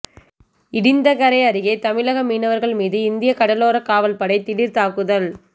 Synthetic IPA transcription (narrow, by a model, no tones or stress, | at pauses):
ɪɽɪnd̪ɐkɐɾɐɪɐɾɪɣɐɪt̪ɐmɪlɐɣɐmiːnɐʋɐɾɣɐɭmiːðɯɪnd̪ɪjɐkɐɽɐloːɾɐkaːʋɐlpɐɽɐɪt̪ɪɽɪɾt̪aːkɯðɐl